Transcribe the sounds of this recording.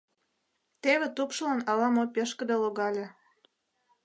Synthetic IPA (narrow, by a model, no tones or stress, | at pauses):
t̪eβet̪upʃlɑnɑlɑmopʲeʃkə̆d̪eloɣɑlʲe